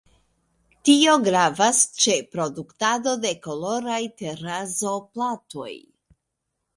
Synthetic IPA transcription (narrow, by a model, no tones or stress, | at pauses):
tio̞ɡɾavast͡ʃe̞pɾo̞duktado̞de̞ko̞lo̞ɾajte̞ɾazo̞plato̞̰j